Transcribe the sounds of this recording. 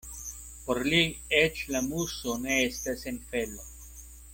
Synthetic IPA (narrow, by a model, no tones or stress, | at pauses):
poɾliet͡ʃlamusone̞estasenfelo